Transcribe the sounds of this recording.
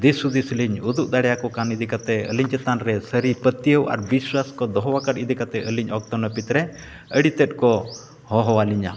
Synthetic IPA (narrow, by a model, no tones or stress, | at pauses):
d̪isud̪isliɲud̪uʔd̪aɽɛjakɔkanid̪ikat̪ɛə̰liɲt͡ʃɛt̪anɾɛsəɾipət̪ijəwa̰ɾbiswaskɔd̪ɔɦɔwakaʈid̪ʱikat̪ɛʔəliɲɔk̚t̪ɔnəpit̪ɾɛ | əɽit̪ɛt̪̚ˀkɔ | hɔɦɔwaliɲa̰